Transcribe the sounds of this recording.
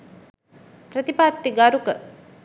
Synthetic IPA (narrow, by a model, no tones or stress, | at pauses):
prət̪ipat̪ːiɡaɾukə